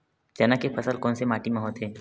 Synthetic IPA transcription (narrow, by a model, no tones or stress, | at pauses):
d͡ʒɐnakepʰəsəlkɔːnsemaːʈimẽɦoːt̪ɦeː